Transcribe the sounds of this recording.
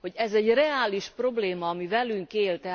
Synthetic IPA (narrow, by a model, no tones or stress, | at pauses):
ho̞ɟɛzɛɟrɛaːliʃpro̞bleːmɒːmivɛlyŋkeːlt̪ɛ